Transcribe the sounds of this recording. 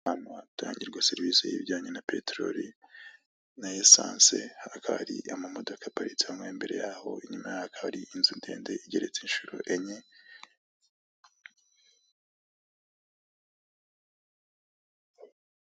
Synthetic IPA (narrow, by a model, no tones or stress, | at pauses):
anwata̰ːɲɟiɾɡwaseɾvisejḭβɟaːɲenapetɾo̰ɾi | najesa̰ːnsḛhakʰaβa̰ɾiʔamamo̞do̞kapaɾit͡siamŋweːmbe̞ɾe̞̰jaho̞̰iɲumajahakʰaβaɾiʔinzunde̞̰ːnde̞iɟe̞ɾe̞t͡seinʃuɾo̰ʔeɲe